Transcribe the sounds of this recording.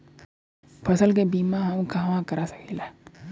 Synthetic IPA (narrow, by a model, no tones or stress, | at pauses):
pʰɐsəlk̬ebiːmãɦɐmkaɦɐmãkɐɾasɐ̥kela